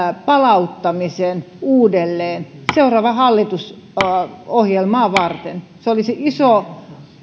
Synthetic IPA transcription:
pɑlɑut̪ːɑmisen | uːdelːeːnseurɑːʋɑhɑlːit̪us | ohjelmɑːʋɑrt̪enseoliseʔiso

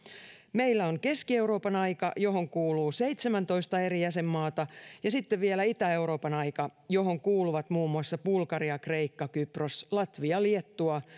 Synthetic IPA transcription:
me̞ilːæoŋke̞skie̞uɾo̞ːpɑnɑjkɑ̰jo̞ɦo̞ŋkuːluːse̞jt̪semænt̪o̞ist̪ɑe̞ɾijæse̞mːɑːt̪ɑjɑsit̪ːeʋʋielæit̪æe̞uɾo̞ːpɑnɑjkɑjo̞ɦo̞ŋkuːluʋɑt̪muːmːuɑsːɑpulkɑɾiɑkre̞jkːɑkyproslɑt̪ʋiɑliet̪ːuɑ

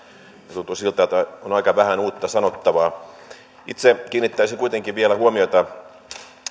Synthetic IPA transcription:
net̪unt̪usilt̪ːˑɑt̪ɑonɑikɑʋæhænuːt̪ːɑsɑnot̪ːɑʋɑː | ʔit̪sekiːnːit̪ːæisiŋkuit̪eŋkiʋʋielæhuomiot̪ɑ

